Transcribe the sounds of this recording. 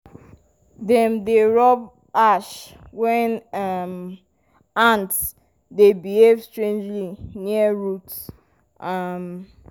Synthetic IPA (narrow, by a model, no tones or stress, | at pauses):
dɛ̃mdeɹɔb | aʃ | wɛ̃nam | ãnts | debihevstɹẽnd͡ʒliniəɹuts | ʔam